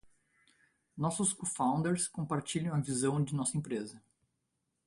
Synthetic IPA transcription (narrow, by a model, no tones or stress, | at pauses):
nɔsʊskofãw̃nd̪eɾskõpaɾt͡ʃiʎɐ̃w̃ɐvizɐ̃w̃d͡ʒɪnɔsɐẽpɾezɐ